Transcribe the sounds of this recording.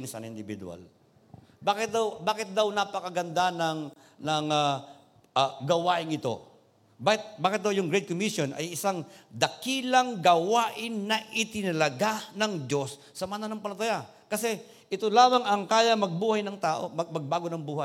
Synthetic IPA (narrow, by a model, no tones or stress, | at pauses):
nsa̰nɪnd̪ɪbid̪ṵa̰l | baːkɪt̪̚d̪ɐwbaːkɪt̪̚d̪awnapɐkɐɡɐnd̪anɐŋ | nɐŋɐ | ʔaɡɐwaːʔɪŋɪt̪o̞̰ | bakɪt̪̚baːkɪt̪̚d̪ɐwjʊŋɡɾɛjd̪̚komisjonɐ̰jɪsaŋd̪ɐkiːlɐŋɡɐwaːʔɪnːɐʔɪt̪ɪnɐlɐɡanɐŋd͡ʒo̞sːɐmɐnanɐŋpɐlɐt̪ɐja | kɐsɛ | ʔɪt̪olaːmɐŋɐŋkaːjɐmɐɡ̚buːhɐjnɐŋt̪aːʔo̞̰mɐmɐɡ̚baːɡonɐŋbuːhɐj